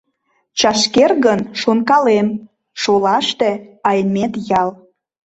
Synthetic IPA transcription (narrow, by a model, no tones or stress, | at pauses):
t͡ɕɑʃkerɣənʃonkɑlem | ʃolɑʃt̪eɑjmet̪jɑl